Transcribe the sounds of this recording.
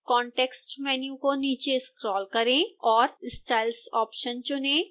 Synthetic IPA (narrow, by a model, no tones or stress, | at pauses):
kɔːɳʈeːksʈmɛːnijũkoniːt͡ʃeskɾɔːlkɐɾẽɔːɾɪsʈaːɪlsɔːpʃənt͡ʃʊnẽː